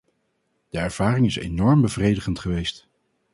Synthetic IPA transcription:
d̥əɛɹv̥aːrɪŋɪsḛnɔɹmbəvrejdəχəntχəʋejst

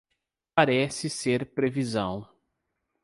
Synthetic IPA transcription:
paɾɛsɪseɾpɾevizɐ̰̃w̃

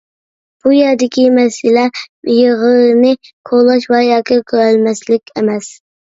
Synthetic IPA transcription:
b̥ujɛɾd̪ɪkʲimɛsɪlɛjəʁəlnɪkʰolˠɑʃwɛjɑːkʰʲɪkʲʰøɾælmɛslɪkʲemɛs

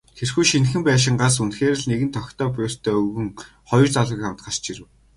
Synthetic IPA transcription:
xerxujʃinxɘ̆mpæːʃ̬ɪ̆ŋɢas̬unxeːɾɘ̆ɮneɣɘ̆nt̪ʰɔkʲt̪ʰɔːp̬jʊːst̪ʰœːɵɣɘ̆ŋ | χɔjɞ̆rt͡saɮĭkamt̪ɢăst͡ɕiɾɘ̆w

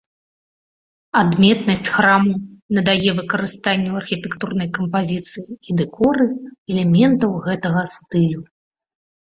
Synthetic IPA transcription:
ad̪mʲɛt̪nɐsʲt͡sʲxɾamunɐd̪ajɛvɨkɐɾɨst̪anʲːuɐrxʲit̪ɛkt̪urnɐjkɐmpazʲit̪sɨjiid̪ɛkɔɾɨɛlʲɛmʲɛnt̪ɐwɣɛt̪ɐɣɐst̪ɨlʲu

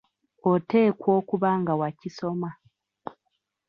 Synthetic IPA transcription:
ote̞ːkwo̞ːkuβaŋɡawaciso̞ma

